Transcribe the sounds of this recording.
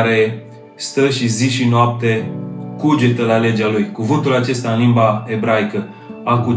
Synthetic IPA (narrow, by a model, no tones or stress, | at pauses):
ɾe̞ | st̪əʃiziʃinoap̚t̪e̞kud͡ʒe̞t̪əlale̞d͡ʒalujkuvɨnt̪ulat͡ʃe̞st̪aɨnlimbae̞bɾajkə | aku